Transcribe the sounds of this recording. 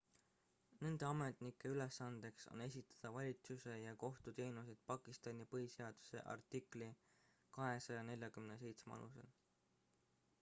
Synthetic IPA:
ne̞nd̪̥eɑme̞t̪ˑnikːˑe̞yle̞sːɑnd̪̥e̞kso̰ne̞s̬ʲit̪ːˑɑ̥d̪̥ɑvɑlʲit̪suse̞jɑko̞ht̪ut̪e̞ːnus̬id̪̥pɑkˑist̪ɑnʲipɤhise̞ɑd̪̥u̥se̞̰ʔɑ̰rt̪ˑikˑli | kɑɦe̞sɑjɑne̞lʲjɑkymnes̬e̞jt̪smɑ̰lṵse̞̰l

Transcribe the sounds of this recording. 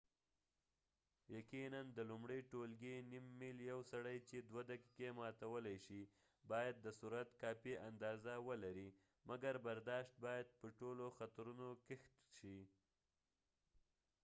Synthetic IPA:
jakinand̪əlumɽəjʈolɡenimːiljawsaɽajt͡ʃed̪wad̪akikemɑt̪awəlajʃi | bɑjad̪̚ːəsuɾat̪kɑpiʔand̪ɑzawəlaɾi | maɡaɾbaɾd̪ɑʃt̪̚bɑjad̪̚pəʈoloxat̪ɾunokɪxt̪ʃi

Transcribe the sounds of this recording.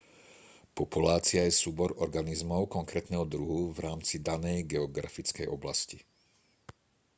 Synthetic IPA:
pɔpulaːt͡sɪajɛsuːbɔɾɔɾɡanizmɔʊkɔŋkɾɛːt̪nɛːɦɔd̪ɾuɦuvɾaːmt͡sid̪anɛjɡɛɔɡɾa̰fit͡skɛ̰jʔɔblasci

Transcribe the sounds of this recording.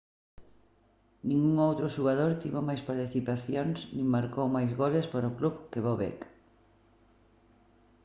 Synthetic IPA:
nĩŋuŋowt̪ɾʊʃuɣaðoɾt̪iβomajspaɾt̪iθipaθjoŋsnĩŋmaɾkowmajzɣolespaɾoʊkluβkeβoβɛ̰k

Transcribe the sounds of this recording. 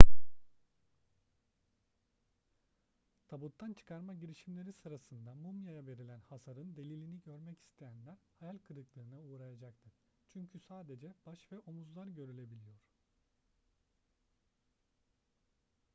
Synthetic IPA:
t̪ʰabut̪ʰːant͡ʃʰɯ̥kʰaɾmaɟiɾiʃimlʲe̞ɾisɯɾasɯnd̪amumjajave̞ɾilʲænhasaɾɯnd̪e̞lʲilʲiniɟø̞ɾmɛcʰi̥st̪ʰe̞jænlʲæɾhajalʲkʰɯɾɯklˠɯːnɯuːɾajad͡ʒakt̪ʰɯ | t͡ʃʰyɲcʰysaːd̪e̞d͡ʒɛb̥aʃvɛʔomuzlˠaɾɟø̞ɾylʲe̞bilʲijoɾ̥

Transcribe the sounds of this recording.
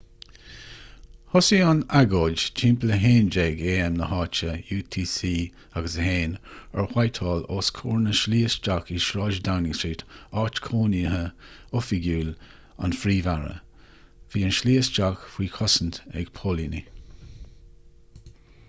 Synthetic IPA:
hʊsianaɡoːd͡ʒt͡ʃʰimpləɦeːnd͡ʒɛɡeːɛmnəhɑːt͡ʃəjuːt̪ʰiːsiː | aɡəsəheːnəɹhwajt̪ʰɑːloːskʰoːɹnəʃliːəsd͡ʒakiʃɾɑːʒdawnɪŋstɹiːtɑːt͡ʃkʰoːnihə | ʊfiɡuːl | a̰nfɾiːvaɹə̰ | viːənʃliːəsd͡ʒakfwiːkʰɔsəntɛ̰ɡ̥pʰoːlinḭ

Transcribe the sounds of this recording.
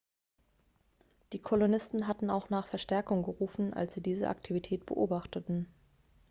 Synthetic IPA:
d̥iːkʰolonɪstn̩ɦatn̩aʊxnaːχfɛɐʃtɛɐkʊŋɡəʁuːfn̩ʔa̰lsz̥iːdiːzə̰ʔa̰ktʰivitʰɛːtb̥ə̰ʔoːbaχtətn̩

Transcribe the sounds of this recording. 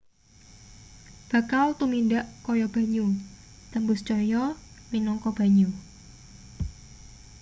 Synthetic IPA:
b̥a̤kalt̪umindaʔkɔjɔb̥a̤ɲu | t̪əmbʊst͡ʃɔjɔminɔŋkɔb̥a̤ɲu

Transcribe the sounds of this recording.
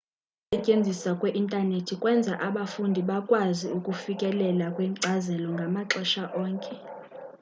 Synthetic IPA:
sɛcʼend͡zʱisakʼwɛʔintʼanetʰikʼwɛnd͡zʱaʔaɓafundʱiɓakʼwaziukʼufikʼɛlɛlakʼwɛǀazɛlɔŋɡʱamaǁɛʃaʔɔːŋkʼɛ

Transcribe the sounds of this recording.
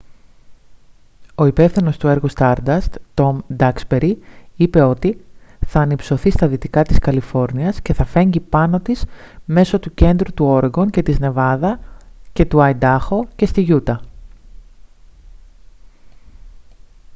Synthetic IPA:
o̞ipe̞fθino̞st̪ue̞ɾɣust̪ɐɾd̪ɐst̪t̪o̞md̪ɐkspe̞ɾiipe̞o̞t̪iθɐːnipso̞θist̪ɐðit̪ikɐt̪iskɐlifo̞ɾniɐsce̞θɐfe̞ɲɟipɐno̞t̪isme̞so̞t̪uce̞nd̪ɾut̪uo̞ɾeŋɡo̞ɲce̞t̪izne̞vɐðɐce̞t̪uɐjd̪ɐxo̞ce̞st̪iʝut̪ɐ

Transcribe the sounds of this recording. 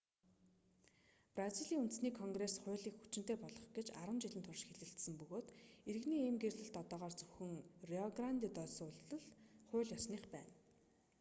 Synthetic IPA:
praziɮiːŋunt̪̆sniːkʰɔŋɡresχʊ̟ːɮiːkxut͡ɕɪ̆n̥t̪eːpɔɮɞ̆χɡet͡ɕaɾə̆mt͡ɕɪɮɘ̆nt̪ʰʊrʃxeɮɘ̆ɬt̪sɘ̆mpɵɣoːt̪eɾɘ̆ɣniːeːmɡerɮɘ̆ɬt̪ɔt̪ɔːʁaːrt͡sɵxɵ̆ŋriɔɡrant̪iːt̪œːsʊːɮə̆ɮχʊːɮjɔsniːχpæ̰ːn

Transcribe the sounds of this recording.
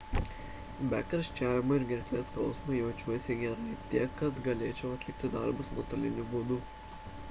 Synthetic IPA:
bʲækʲɐɾʃʲt͡ʃʲæːʋʲɪmɐɪɾɡʲɛɾʲkʲlʲeːsklˠsmɐjɛʊt͡ʃʲuɔjɪsʲɛɡʲɛɾɐt̪ʲiɛkːɐt̪ɡɐlʲeːt͡ʃʲɛʊɐt̪ʲlʲɪk̚t̪ʲɪd̪ɑɾbʊsmot̪ɐlʲɪ̰nʲubud̪u

